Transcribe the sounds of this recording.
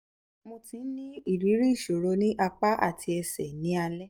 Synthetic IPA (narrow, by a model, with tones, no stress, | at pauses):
mõ˧tĩ˨˦n̩˦nĩ˦i˦˨ɾi˨˦ɾi˦˨ʃo˨ɾo˧˦nĩ˦ʔa˧k͡pa˦ʔa̰˦˨tʰi˧ɛ˧sɛ˨nĩ˨˦a˧lɛ˦